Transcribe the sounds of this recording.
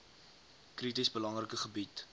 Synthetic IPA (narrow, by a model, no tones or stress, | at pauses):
kritisbəlɐŋrəkəχəbit